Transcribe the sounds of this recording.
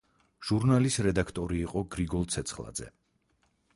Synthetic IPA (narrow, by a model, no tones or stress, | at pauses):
ʒ̥uɾnalisɾɛd̪akʰt̪ʼɔɾiːqʼɔɡɾiɡɔlˠt̪sʰɛt̪sʰχlˠa̰d̪zɛ̰